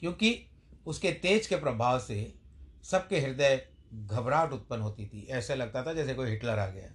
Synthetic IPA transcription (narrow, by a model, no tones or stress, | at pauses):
kjõːki | ʊsket̪eːd͡ʒkepɾɐbʱaːwsesɐb̚keɦɪɾd̪ə | ɡʱɐbɾaːʈʊt̪̚pənɦoːt̪it̪ʰḭʔɛːselɐɡ̚t̪at̪ʰad͡ʒɛːsekoːiɦɪʈləɾa̰ːɡɐja̰ː